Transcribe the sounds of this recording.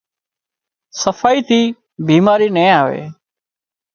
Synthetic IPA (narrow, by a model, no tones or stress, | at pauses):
səfaːiːt̪ʰiː | biːmaːɾiːnẽːaːʋḛː